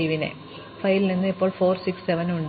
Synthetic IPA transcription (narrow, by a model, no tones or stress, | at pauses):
ʋinḛ | fɐjlininːɨipːo̞ːɭfo̞ːrsikseʋɐnuɳɖ